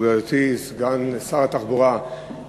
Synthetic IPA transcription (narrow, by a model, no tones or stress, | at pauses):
ɡajotisɡansaʁat̪aχbuʁa